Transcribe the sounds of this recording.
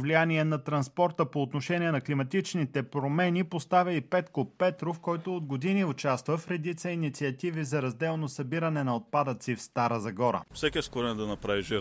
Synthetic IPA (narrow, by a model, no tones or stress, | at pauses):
vlijaniɛnɐt̪ɾɐnspɔɾt̪əpoːt̪noʃɛnʲiɛnɐklimɐt̪it͡ʃnit̪ɛpɾomɛnipost̪avʲɐipɛt̪kopːɛt̪ɾofkɔjt̪ood̪ɡod̪iniʊt͡ʃast̪vəfɾɛd̪it̪səinit̪siɐt̪ivizɐɾɐzd̪ɛlˠnosɐbiɾɐnɛnɐot̪̚pad̪ət̪sifst̪aɾəzɐɡɔɾə̰fsɛkʲiɛskʊɾɛnɛd̪ɐnɐpɾaviʒiɾ